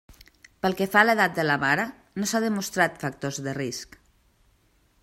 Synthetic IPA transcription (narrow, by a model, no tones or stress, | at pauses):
pəlˠkefaleðat̪̚d̪əlamaɾa | nosaðəmust̪ɾat̪fak̚t̪ozðərisk